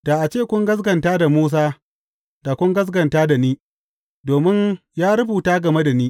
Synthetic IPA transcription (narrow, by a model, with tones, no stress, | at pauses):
daː˨ʔa˨t͡ʃeː˦˨kʷʊ˦ŋɡɐ˦s̬ɡɐ˨ntaː˦da˨muː˦s̬aː˦ | da˨kʷʊ˦ŋɡɐ˦s̬ɡɐ˨ntaː˦da˨niː˦ | doː˨mɪ˦ɲ | jaː˦ɽʊ˦buː˨taː˦ɡɐ˨me˦da˨niː˦